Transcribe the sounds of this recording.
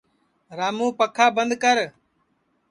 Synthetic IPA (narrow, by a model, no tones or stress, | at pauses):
ɾaːmũːpəkʰaːbənd̪kəɾ